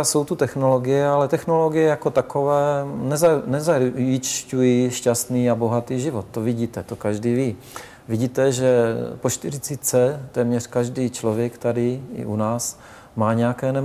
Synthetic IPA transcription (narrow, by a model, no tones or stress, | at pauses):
so̞wt̪ut̪ɛxnoloɡɪjɛalɛt̪ɛxnolo̞ɡɪjɛjako̞t̪akovɛːnɛznɛzaɪt͡ʃcujiʃcast̪niːabo̞ɦat̪iːʒɪvot̪̚t̪ːovɪɟiːt̪ɛt̪okaʒdiːviː | vɪɟiːt̪ɛʒɛpoʃt̪ɪɾɪt͡sit͡sɛt̪ɛːmɲɛr̥kaʒdiːt͡ʃlovjɛkt̪adɪɪ̰ʔunaːs | maːɲɛjakɛːnɛ